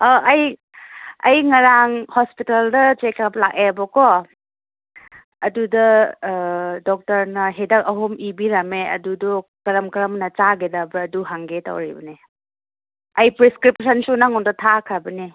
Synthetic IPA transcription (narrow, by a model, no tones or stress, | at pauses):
aʔɐj | ɐ̰jŋɐɾaŋhɔspitaldɐt͡ʃekap̚la̰k̚ebɔkɔ | ɐdudɐ | dɔk̚tɐɾnɐɦedɐk̚ɐɦomibiɾɐmeɐ̰dudɔkɐɾɐmkɐɾɐmnɐt͡ʃaɡedɐbɐɐduɦaŋɡeta̰wɾibɐne | ɐjpɾiskɾip̚sɐnsunaŋɔndɐtʰakʰabɐni